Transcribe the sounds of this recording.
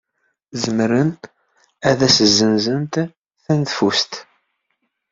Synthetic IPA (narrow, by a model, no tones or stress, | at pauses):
zəmɾən | æðæsəzːənzənt̪ | θænθfust̪